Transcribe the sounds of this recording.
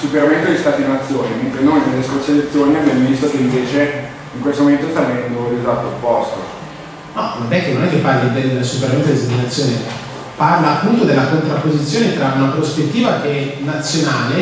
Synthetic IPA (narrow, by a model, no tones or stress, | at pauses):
supeɾament̪od̪ist̪aːt̪inat̪sːjoːnement̪ɾenomjd̪eleskot͡ʃːed̪et̪sːjoːneabjamovist̪okeiɱveːt͡ʃe | iŋkwest̪omoment̪ost̪aɛnd̪orit̪at̪ːopːɔst̪o̰ | nɔ̰not̪ɛkːenːonɛkːepːarlid̪eld̪supeɾament̪od̪ist̪at̪inat̪sːjoːne | parlaːpːunt̪od̪elːakont̪ɾapːozit̪sːjoːnet̪ɾaunapɾospet̪ːiːvakenat̪sːjonaːle